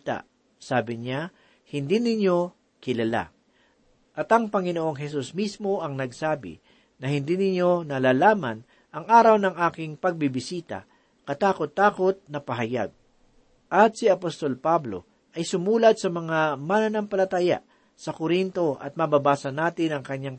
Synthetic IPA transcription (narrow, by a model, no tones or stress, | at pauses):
t̪a̰ | saːbɪɲa | hɪnd̪inɪɲo̞ | kɪlɐla̰ | ʔɐt̪ɐŋpɐŋɪnoʔo̞ŋɦɛsusmismo̞ʔɐŋnɐɡsaːbɪ̰ | nɐhɪnd̪iːnɪɲjo̞nɐlaːlaːmɐn | ʔɐŋʔaːɾɐwnɐŋʔaːkɪŋpɐɡ̚bɪbɪsiːt̪ɐ̰ | kɐt̪aːkot̪ːaːko̞t̪̚nɐpɐɦɐja̰ɡ̚ | ʔɐt̪̚sɪɐpost̪o̞lpablo̞̰ | ʔɐjsʊmuːlɐd̪̚sɐmɐŋamanɐnampɐlɐt̪aːja̰ʔ | sɐkoɾint̪o̞ʔɐ̰t̪̚mɐbabaːsɐnaːt̪ɪnɐŋkɐɲjaŋ